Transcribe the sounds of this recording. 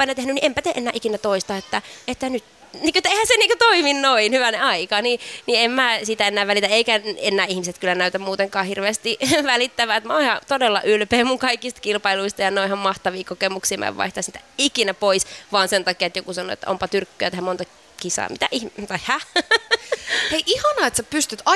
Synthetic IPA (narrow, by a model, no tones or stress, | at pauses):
pɑinɑt̪ehnyniʔempæt̪eʔenːæːʔikinæt̪oist̪ɑːet̪ːæet̪ːænyt̪ | niːkøet̪ːeihæseniːŋkot̪oiminnoinhyʋæneɑikɑniniemmæːsit̪æenːæːʋælit̪æeikæenːæːihmiset̪kylːænæyt̪æmmuːt̪eŋkɑːhirʋeːst̪iʋælit̪ːæʋæet̪mæoihɑt̪odelːɑ̰ʔylpeːmuŋkɑikːist̪kilpɑiluist̪ɑjɑnoihɑmmɑht̪ɑʋiːkokemuksiːmæ̰ʋʋɑ̰iht̪ɑsniːt̪æikinæpoisʋɑːnsent̪ɑkiet̪jokusɑno̰ḛt̪ːæ̰ʔo̰mpɑt̪yrkːøæt̪ehæmmont̪ɑ | kisɑ̰ːmit̪æ̰ʔiht̪ɑihæ | eiʔihɑnɑːet̪sæpyst̪yt̪ɑ